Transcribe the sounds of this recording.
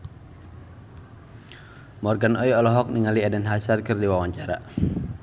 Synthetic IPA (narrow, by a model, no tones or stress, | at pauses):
mɔrɡanɔiɔlɔɦɔk̚niŋaliadɛnɦasarkɨrdiwawaɲt͡ʃaɾa